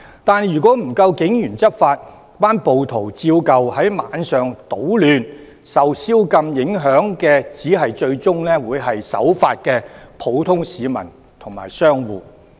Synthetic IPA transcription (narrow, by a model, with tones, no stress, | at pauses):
t̪aː˨njyː˨˩kʷɔː˨˥m̩˨˩kɐ˧wkɪ˨˥ŋjyː˨˩nt͡sɐ˥t̚faː˧t̚ | paː˥npo˨wt̪ʰo˨˩wt͡siː˧wkɐ˨whɐ˨˥jmaː˨˧nsœː˨ŋt̪o˨˥wlyː˨˧n | sɐ˨wsiː˥wkɐ˧mjɪ˨˥ŋɦœː˨˥ŋkɛː˧t͡siː˨˥ɦɐ˨jt͡ʃɵ˧ɥt͡sʊ˥ŋlɛː˥wuː˨˧jɦɐ˨jsɐ̰˨˥wfaː˧t̚kɛː˧pʰo˨˧˥wt̪ʰʊ˥ŋsiː˨˧mɐ̰˨˩n | t̪ʰʊ˨˩ŋma̰ː˨˩jsœː˥ŋwuː˨˩